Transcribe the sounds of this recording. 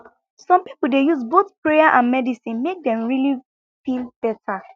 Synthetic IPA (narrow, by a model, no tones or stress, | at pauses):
sɔ̃mpipul̩dejuzboθpɹejaʔãnmɛdisĩnmek̚dɛ̃mɹili | filˠb̥ɛtʰa